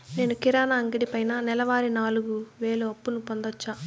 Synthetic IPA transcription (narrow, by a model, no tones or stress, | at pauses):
ne̞ːnukiɾaːnaːŋɡiɽipɐjnanɛlɐʋaːɾinaːluɡuʋe̞ːluɐpːunupond̪ɐt͡ʃːaː